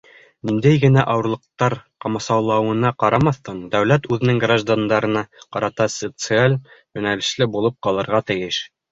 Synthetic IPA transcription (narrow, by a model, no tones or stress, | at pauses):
nind̪æjɡɘ̆næʔɑwɤ̆ɾlˠɤ̆q̚t̪ɑɾqɑmɑsɑwlˠɑwɤ̆nɑqɑɾɑmɑθːɤɴd̪æwlæt̪ʉðɘ̆nɘŋɡraʒd̪and̪ɑɾɤ̆nɑqɑɾɑt̪ɑsət̪sɨalʲjɵ̆nælɘ̆ʃlɘbulˠɤp̚qɑlˠɤ̆ɾʁɑt̪ɘ̆jɘʃ